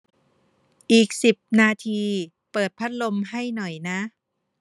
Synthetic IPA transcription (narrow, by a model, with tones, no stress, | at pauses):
ʔiː˨˩k̚si˨˩p̚naː˧t̪ʰiː˧ | pɤː˨˩t̪̚pʰa˦˥t̪̚lo˧mha˥˩jnɔ˨˩jna˦˥ʔ